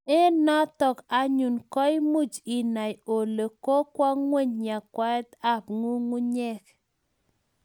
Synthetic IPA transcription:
e˦nɔ˦tɔ˨ka˨˦ɲu˨nkɔ˦i˦mu˦˨d͡ʒi˨na˨jo˨le˨ko˦kwa˦ŋwe˦˨ɲɲa˨kwa˦ɛ˦t̪a˦˨pŋu˦ŋu˦ɲɛ˦k

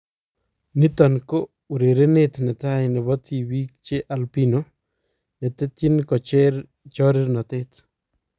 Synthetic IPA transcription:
nɪ˦t̪ɔ˨nko˦ | u˨ɾe˨ɾe˦net̪nɛ˨t̪a˦jnɛ˨βɔ˦t̪i˨wi˦k̚t͡ʃe˦ʔa˨lpi˦no | nɛ˨t̪ɛ˦t̪jɪ˦nkɔ˨t͡ʃe˦ɾ | t͡ʃɔɾɪ˦ɾnɔ˨t̪e˦t̪

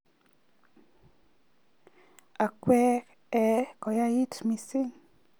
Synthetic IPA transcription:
a˨kwɛ˦k | ɛ˨ko˨ja˦ji˦tmi˧si˦ŋ

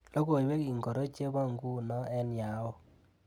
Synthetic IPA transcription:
lo˦ko˨jwɛ˦ki˨ŋɡɔ˨ɾɔ˦t͡ʃe˦ba˦˨ŋɡu˦nɔ˦ɛ˦nja˨˦wɔ˦

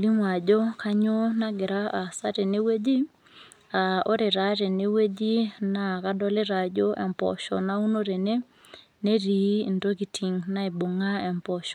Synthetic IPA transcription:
li˦ŋwa˨d͡ʒo˦ka˦ɲo˦na˦ɡɪ˨ɾa˦a˨sa˦te˨ne˦we˦d͡ʒi˦ | a˨o˦ɾe˨ɾa˦ɾe˨ne˦we˦d͡ʒi˦na˨ka˦dɔ˦le˦ɾa˨d͡ʒo˦ʔɛ̰˨mpɔ̰˨ʃɔ̰˨na˦u˦no˦ɾe˨ne˦ | ne˦ɾi˨˦i˨ndo˦ki˨tʰi˨ŋna˦e˨bo˨ŋa˦ɛ˨mpɔ˨ʃɔ˨

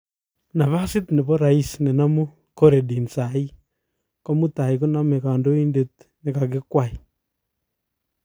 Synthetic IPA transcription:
na˨βa˦si˦tnɛ˨βɔ˦ɾa˨i˦si˨nɛ˨na˦mu˦ | kɔ˦ɾɛ˨ɗi˨nt͡sa˨i˦ | kɔ˦mu˦ta˨i˨ku˦na˦me˨ka˨ndɔ˦i˦nde˦tne˨ka˨k̬e˦kwa˦˨i˨

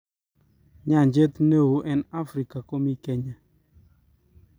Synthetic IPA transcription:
ɲa˦˨ɲd͡ʒe˦t̪ne˦˨wo˦ʔɛ˦na˦fɾi˨ka˨ko˦mi˦kɛ˦ɲa˨

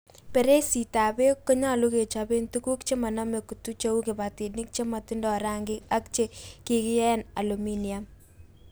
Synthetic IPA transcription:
pe˨ɾe˦si˨ta˨be˦kːo˦ɲa˦˨lu˦ke˨t͡ʃa˨be˦ntu˦ku˦kt͡ʃe˦ma˨na˦me˨ku˨tu˦t͡ʃe˦u˦ke˨ba˨ti˨ni˦k̚t͡ʃe˦ma˨ti˦ndɔ˨ɾa˦ŋɡɪ˦ka˦k̚t͡ʃe˦ki˦kɪ˦ɛ˦na˨lu˨mi˦ni˨am

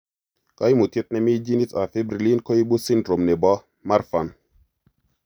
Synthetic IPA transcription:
ka˦jmu˨t̪e˦t̪̚nɛ˦mi˦d͡ʒi˦ni˦ta˨fe˦bɾi˨li˦nko˦i˦ɓu˦si˦ndɾo˨mnɛ˨bɔ˦ | ma˦ɾfa˨n

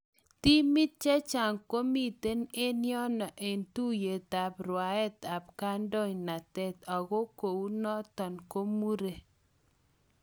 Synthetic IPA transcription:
ti˦mɪ˦t̚t͡ʃɛ˦t͡ʃa˨ŋko˦mi˦˨te˦ne˦njɔ˦nɔ˨ʔe˨ntu˦je˨ta˨pɾwa˨˦ɛ˦ta˨p̚ka˦ndɔ˦ɲna˨tɛ˦t̪ɔ˨ɣo˦ko˨u˦nɔ˦tɔ˨nko˦mu˦ɾe˨

